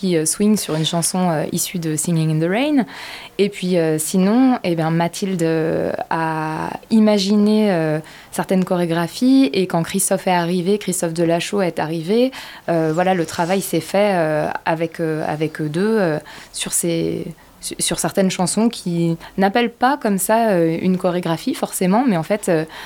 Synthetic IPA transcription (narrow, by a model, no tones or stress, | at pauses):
kʲiøswiŋsyʁynʃɑ̃sɔ̃øʔḭsyd̪əsiŋiŋd̪əʁɛjn | epɥiøsinɔ̃ebjɛ̃mat̪ʰild̪øa̰ | imaʒineø | sɛʁt̪ɛnkɔʁeɡʁafiekɑ̃kχist̪ɔfɛaʁivekχist̪ɔfd̪əlaʃoaɛt̪aʁive | øvwalalət̪χavajsɛfɛøa̰vɛkʰøa̰vɛkød̪øøsyʁse | ssyʁsɛʁt̪ɛnʃɑ̃sɔ̃kʲʰinapɛlpakɔmsaøynkɔʁeɡʁafifɔʁsemɑ̃mɛɑ̃fɛt̪ø